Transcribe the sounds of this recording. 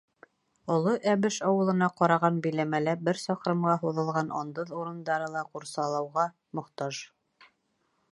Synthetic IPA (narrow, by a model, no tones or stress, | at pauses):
ŏlˠoʔæβɘʃɒwɤ̆lˠɤ̆nɑqɑɾɑʁɑnbɵ̆jlæmælæbɘɾsɒqɾɤ̆mʁɑɦuðɤ̆lˠʁɑnʔɑ̰nd̪ɤðuɾɤ̆nd̪ɑɾɤlˠɑquɾsɑlˠɑ̆wʁɑ | mŏqt̪ɑʒ